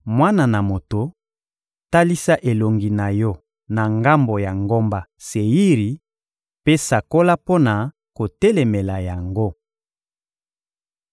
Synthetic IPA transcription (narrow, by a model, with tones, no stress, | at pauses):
mwa˦na˨na˨mo˨to˨ | ta˦li˦sa˦ʔe˨lo˨ŋɡi˨na˨jɔ˦ | na˨ŋɡa˦mbo˨ja˨ŋɡo˦mba˦se˨ji˦ʁi˨ | pe˦sa˨ko˦la˦po˦na˨ | ko˨te˦le˨me˨la˨ja˨ŋɡo˦